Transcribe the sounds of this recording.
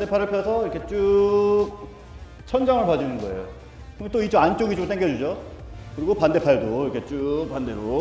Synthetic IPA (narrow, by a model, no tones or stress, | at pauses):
ande̞pʰaɾɯɭpʰjʌsʰʌiɾʌkʰet͡ɕ͈u | t͡ɕʰʌnd͡ʑaŋɯɭpad͡ʑunɯnɡʌe̞̰jo | kɯet͈oit͡ɕ͈oant͡ɕ͈oɡit͡ɕomt͈eŋɡjʌd͡ʑud͡ʑokɯɾiɡopande̞pʰaɭdoiɾʌkʰe̞t͡ɕ͈upande̞ɾo